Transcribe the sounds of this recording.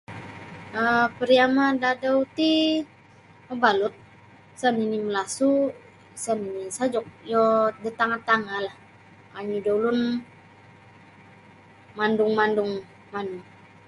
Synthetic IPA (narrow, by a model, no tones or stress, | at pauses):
əpəɾiamadadaut̪i | məbalʊt̪̚ | saniniməlasu | saninisad͡ʒɔk̚jɔdət̪aŋat̪aŋalah | aɲudaulʊn | mandʊŋmandʊŋ | manuŋ